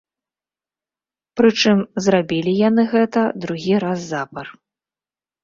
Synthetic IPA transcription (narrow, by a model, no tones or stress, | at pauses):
pɾɨt͡ʂɨmzrabʲilʲijanɨɣɛt̪ɐd̪ɾuɣʲiɾazːapɐr